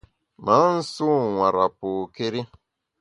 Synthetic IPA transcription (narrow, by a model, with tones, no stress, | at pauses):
ma˨˦n̩˦su˦˨ŋa˨ɾa˨pu˨ke˦ɾi˦